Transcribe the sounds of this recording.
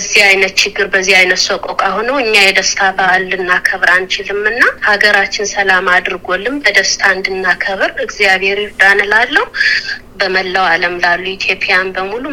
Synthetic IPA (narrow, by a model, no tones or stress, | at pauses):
əzːihajnət̪t͡ʃʰɪɡːɨɾbəzːihajnət̪sokʼɔkʼaɦonəwɨɲːajɛd̪əst̪ʰabəːlːɨnːakʰəβɾant͡ʃʰɪlɨmɨnːahaɡəɾat͡ʃːɪnsəlamad̪ɨɾɡo̞lːɨmbəd̪əst̪ʰand̪ɨnːakʰəβɨɾɨɡzijaβhe̞ɾiɾd̪anɨlalːəhu | bəməlːəwaləmlalːuit̪ʰjo̞pʼjanbəmulu